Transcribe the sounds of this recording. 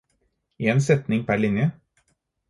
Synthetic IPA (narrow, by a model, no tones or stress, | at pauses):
eːnsɛt̪nɪŋpʰæɭɪnjə